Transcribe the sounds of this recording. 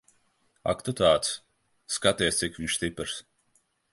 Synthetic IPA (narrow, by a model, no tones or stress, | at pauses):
a̰kt̪ut̪aːt̪sː | kat̪iɛst̪sikviɲʃst̪ipɾs